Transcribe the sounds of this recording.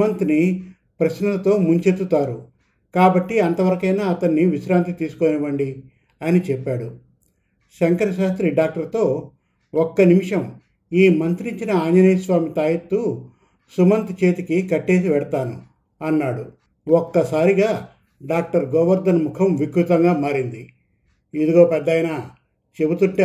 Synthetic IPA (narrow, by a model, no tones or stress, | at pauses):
umɐnt̪ni | pɾɐʃnɐlɐt̪o̞ːmuɲt͡ʃet̪ːut̪aːɾu | kaːbɐʈːiɐnt̪ɐʋɐɾɐkɐjnaːɐt̪ɐnːiʋiʃɾaːnt̪̬it̪iːsu̥koːniʋɐɳɖi | ɐnit͡ʃɛpːaːɽu | ʃɐŋkɐɾɐʃaːst̪ɾiɖaːk̚ʈɐɾt̪o̞ː | ɔkːɐnimiʂɐm | iːmɐnt̪ɾiɲt͡ʃinɐaːɲd͡ʒɐnɐjsʋaːmit̪aːjɐt̪ːu | sumɐnt̪t͡ʃe̞ːt̪ikikɐʈːe̞ːs̬iʋɛɽɐt̪aːnṵ | ɐnːaːɽu | ɔkːɐsaːɾiɡaː | ɖaːk̚ʈɐɾɡɔːʋɐɾd̪ɐnmukʰɐmʋikɾut̪ɐŋɡaːmaːɾind̪i | id̪uɡo̞ːpɛd̪ːɐjnaː | t͡ʃe̞but̪uɳʈeː